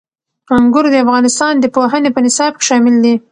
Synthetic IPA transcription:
aŋɡʊɾd̪əafɣɑnɪst̪ɑnd̪əpoɦənepənɪsɑb̚ke̥ʃɑmɪld̪i

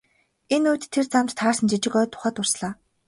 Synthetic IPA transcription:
enuːt̪ʰːert͡samt̪t̪ʰaːrsə̆nt͡ɕit͡ɕɪ̆kœːt̪ʰːʊ̥χæːt̪ʊr̥sɮaː

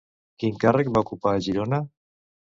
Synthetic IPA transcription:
kiŋkarək̚baukupaːʒiɾona

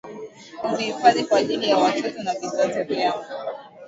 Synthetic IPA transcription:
umihifaðikwaːʄilijawatʰɔtɔnavisataviaŋu

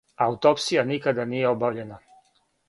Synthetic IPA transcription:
aut̪opsijanikad̪anijeobavʎena

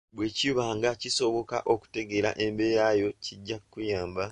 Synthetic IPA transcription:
bwe̞ciuβaːŋɡaciso̞βo̞ka̰ʔo̞ku̥te̞ɡe̞ɾa̰ʔe̞mbe̞jajo̞ciɟːakːujaːmba

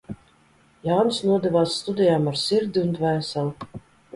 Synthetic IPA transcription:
jawnɨsnuɔd̪ɛvaːsːt̪ud̪ʲijaːmaɾsiɾd̪ʲiunt̪væːsɛlˠ

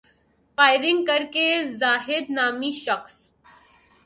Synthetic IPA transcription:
faːjɪɾɪŋɡ̚kəɾkezaːɦɪd̪naːmiʃəxs

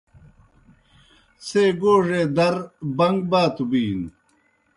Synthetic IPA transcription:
seːɡoːʐeːd̪ɐɾbɐŋɡ̚baːt̪ubiːn

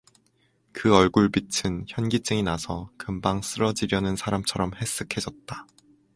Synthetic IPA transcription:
kɯʌɭɡuɭbitʰɯnçjʌnɡit͡ɕ͈ɯŋinasʰʌkɯmbaŋs͈ɯɾʌd͡ʑiɾjʌnɯnsʰaɾamt͡ɕʰʌɾʌmhe̞s͈ɯkʰe̞d͡ʑʌt̚t͈a

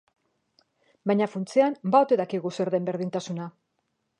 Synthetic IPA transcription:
bajɲafunt͡siambaot̪e̞ðakiɣuse̞ɾðe̞mbe̞ɾðint̪asuna

